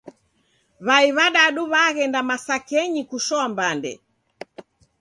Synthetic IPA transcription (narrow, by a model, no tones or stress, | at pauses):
βaiβaɗaɗuβaɣɛndamasakɛɲikuʃɔambandɛ̰